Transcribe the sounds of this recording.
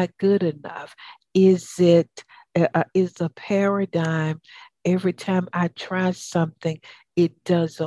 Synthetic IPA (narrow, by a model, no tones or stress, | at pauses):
ɨt̚ɡ̥ʊɾɨnʌ̰f | ɪzɪt | ʔɪzəpʰɛɹɨdãɪ̃m | ɛvɹitʰãɪ̃maɪtʰɹ̥æssʌ̃mθɪ̃ŋ | ɪt̚d̥ʌz